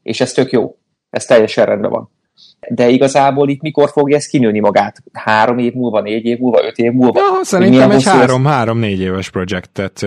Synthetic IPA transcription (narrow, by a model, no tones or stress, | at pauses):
ḛːʃɛst̪ø̞kjo̰ː | ɛst̪ɛjːɛʃɛnrʔɛnbɛ̰vɒ̰n | d̪ɛiɡɒzaːboːlit̪miko̞rfo̞ɡjɒɛst̪̚kinøːnimɒɡaːt̪haːɾo̞meːvmuːlvɒneːɟeːvmuːlvɒ̰ʔø̞t̪eːvmulvɒsɛɾinmijɛŋmɛohaɾomhaːɾo̞mneːɟeːvɛʃpɾo̞d͡ʒɛkt̪ːɛt̪